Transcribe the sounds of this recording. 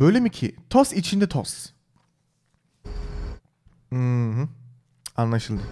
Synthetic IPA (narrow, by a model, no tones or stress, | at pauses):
bø̞jlʲemicʰit̪ʰosit͡ʃʰind̪ɛt̪ʰo̰s | m̩ɦɯ̃ | anlˠaʃɯlˠd̪ɯ